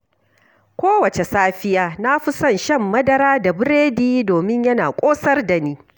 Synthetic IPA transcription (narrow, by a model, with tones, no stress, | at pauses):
kʷoː˦wɐ˨t͡ʃe˨saː˦ɸɪ˦jaː˦na˦ɸʊ˦sɐ˦˨nʃɐ˦˨mːɐ˦dɐ˦ɾaː˦da˨bɪ˦ɾeː˦diː˦doː˨mɪ˦ɲjɐ˦naː˨kʷʼoː˦sɐ˦rdɐ˨niː˦